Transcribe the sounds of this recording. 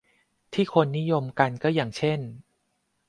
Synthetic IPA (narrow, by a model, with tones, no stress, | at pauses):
t̪ʰiː˥˩kʰo˧nːi˦˥jo˧mka˧nkɔː˥˩jaː˨˩ŋt͡ɕʰe˥˩n